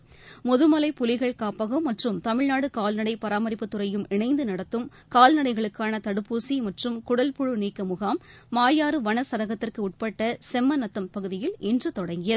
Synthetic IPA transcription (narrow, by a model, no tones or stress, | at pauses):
mɔðɯmɐlɐɪpʊlɪɣɐɭkaːpɐɣɯmːɐʈrɯmt̪ɐmɪɻnaːɽɯkaːlnɐɽɐɪpɐɾaːmɐɾɪpːɯt̪ːɯɾɐjɯmɪɳɐɪnd̪ɯnɐɽɐt̪ːɯm | kaːlnɐɽɐɪɣɐɭɯkːaːnɐt̪ɐɽɯpːuːsimɐʈrɯmkʊɽɐlpʊɻɯniɪkːɐmʊɣaːmː | aːjaːɾɯʋɐɳɐsɐɾɐɣɐt̪ːɪrkɯʊʈ̚pɐʈːɐsɛmːɐnɐt̪ːɐmpɐɣɯðɪjɪlɪndrɯt̪ɔɽɐŋɡɪjɐð